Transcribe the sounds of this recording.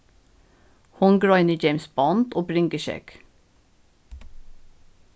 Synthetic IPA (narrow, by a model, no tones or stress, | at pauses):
hɔŋɡɹɑɪnəd͡ʒeɪmsb̥ɔnt̪oːbɾɪŋɡəʃɛ̰k